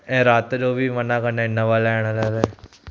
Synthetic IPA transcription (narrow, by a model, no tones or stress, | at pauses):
ẽːɾaːt̪d͡ʒoːbʱimənakəɾnaɪnːaʋaːlaɛːɽ̃alaːla